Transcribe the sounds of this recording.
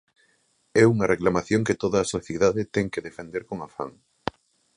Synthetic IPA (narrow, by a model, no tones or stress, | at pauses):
ɛuŋɐreklamaθjõŋkɪt̪oðɐːsoθjeðaðɪt̪ɛŋkeðefend̪eɾkoŋafa̰ŋ